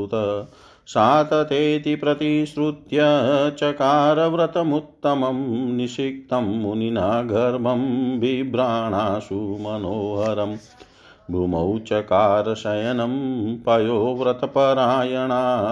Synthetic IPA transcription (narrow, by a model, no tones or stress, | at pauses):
t̪ɐ | saːt̪ɐt̪eːt̪ipɾɐt̪iʃɾut̪jɐt͡ʃɐkaːɾɐʋɾɐt̪ɐmut̪ːɐmɐmniʃik̚t̪ɐmːuninaːɡʱɐɾmɐmbibɾaːɳaːsumɐnoːɦɐɾɐm | bʱɾumɐwt͡ʃɐkaːɾɐʃɐjɐnɐmpɐjoːʋɾɐt̪ɐpɐɾaːjɐɳaː